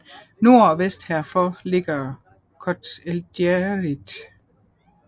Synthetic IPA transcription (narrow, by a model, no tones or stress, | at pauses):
no̝ɐ̰ɒʋesd̥hæɐfɒle̝ɡ̥ɐ | kʰɒd̥eld̥jeʁid̥